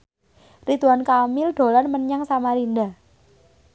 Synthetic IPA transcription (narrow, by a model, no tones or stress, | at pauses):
rit̪uankamɪlɖ̪̥o̤lanməɲaŋsamaɾinda